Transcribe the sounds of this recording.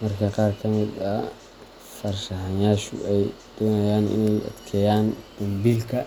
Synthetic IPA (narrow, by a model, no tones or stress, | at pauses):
mɐrkʰɐqɑːrkʰɐmɪd̪ɐ | fɐrʃɐɦɐjaːʃʊ̰ʔɛjd̪̥ɔːnɐjaːnɪ̰nɛjɐ̰d̪kʰɛjaːnd̪̥ɐmbiːlkʰɐ